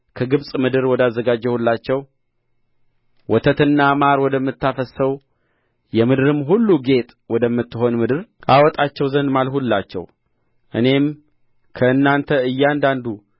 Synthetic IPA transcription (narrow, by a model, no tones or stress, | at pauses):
kʰəɡɨβsʼmɨd̪ɨɾwɔd̪azːəɡad͡ʒːɛhulːat͡ʃːɛw | wɔt̪ʰət̪ɨnːamaɾwɔd̪əmːɨt̪ːafəsəw | jɛmɨd̪ɨɾɨmːɦulːuɡe̞t̪ʼwɔd̪əmːɨt̪ːɨɦo̞nmɨd̪ɨɾʔawɔt̪ʼat͡ʃːɛwzənd̪malhulːat͡ʃːɛ̰w | ʔɨne̞m | kʰəɨnːant̪ʰəɨjːɛand̪and̪u